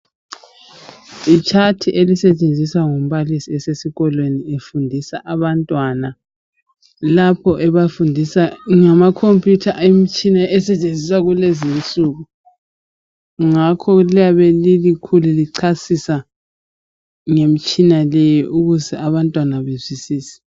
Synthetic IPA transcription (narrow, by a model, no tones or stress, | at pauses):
it͡ʃʰatʰiʔelisɛt͡ʃʼend͡zʱiswaŋum̩βalisiɛsesiɣɔlweniefundʱisaʔaβantʼwana | lapʰɔʔɛβafundʱisaŋamakʰompʼjutʰaem̩t͡ʃʼinaʔɛsɛt͡ʃʼend͡zʱisaɣulezinsʼuɣu | ŋakʰɔlijaβelilikʰululiǀʰasisa | ŋem̩t͡ʃʼinalɛjɔʔuɣuzɛaβantʼwanaβezisiːsɛ̥